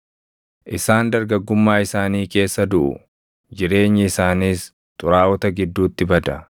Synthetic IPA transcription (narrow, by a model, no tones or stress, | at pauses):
ʔɪsaːnd̪ɐɾɡɐɡːʊmːaːɪsaːniːke̞ːsːɐd̪ʊʔʊ̰ | d͡ʒɪɾe̞ːɲːɪɪsaːniːs | t̪ʼʊɾaːwɔt̪ɐɡɪd̪ːuːt̪ːɪbɐd̪ɐ